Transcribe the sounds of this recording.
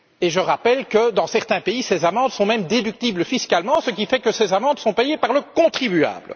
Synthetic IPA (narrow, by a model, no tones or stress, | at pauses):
eʒəʁapɛlkəd̪ɑ̃sɛʁt̪ɛ̃peisezamɑ̃d̪sɔ̃mɛmd̪ed̪yk̚t̪ibləfiskʲalmɑ̃sək̬ʲifɛkəsɛzamɑ̃d̪sɔ̃pɛjepaʁləkɔ̃t̪χibya̰ːbl